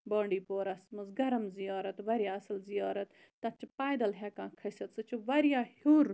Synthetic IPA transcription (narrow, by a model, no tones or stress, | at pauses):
bɐːɳɖiːpoːɾɐsmɐzɡɐɾɐmzijaːɾɐt̪ʋɐɾjaːɐsɐlzijaːɾɐt̪ːɐt͡ʃpaːjd̪ɐlɦɛːkãːkʰɐsɐt̪t͡sɨt͡ʃʰuʋɐɾjaːhuɾ